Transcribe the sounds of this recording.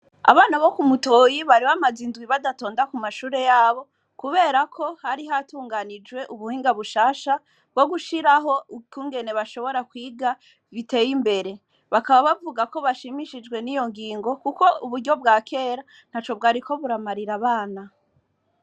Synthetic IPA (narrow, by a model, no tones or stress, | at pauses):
a̰βaːnaβo̞kumuto̞ːjiβaɾiβamazinzɡwiβadato̞ːndakumaʃuːɾe̞jaːβo̞ | kuβe̞ːɾakʰo̞haɾiɦatuːŋɡanid͡ʒwe̞ʔuβuhiːŋɡaβuʃaːʃa | bɡo̞ɡuʃiɾaɦo̞kuːŋɡe̞ne̞βaʃo̞βo̞ɾakwiːɡa | βite̞ːjimbe̞ɾe̞ | βakaβaβavuɡako̞βaʃimiʃid͡ʒɡwe̞nijo̞ŋɡiːŋɡo̞kuko̞uβuɾɟo̞b̚ɡaːkʰe̞ːɾa | n̥hat͡ʃo̞b̚ɡaːɾiko̞βuɾamaɾiɾaβaːna